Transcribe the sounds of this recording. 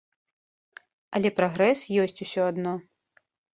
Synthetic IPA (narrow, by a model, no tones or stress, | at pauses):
ɐlʲɛpɾaɣɾɛsjɔsʲt͡sʲusʲɔad̪nɔ